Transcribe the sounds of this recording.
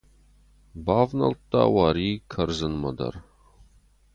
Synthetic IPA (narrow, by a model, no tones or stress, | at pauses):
baːvnɐ̰lt̪ːa̰ːwaːɾiːkʰɐrzɨnmɐd̪ɐ̰r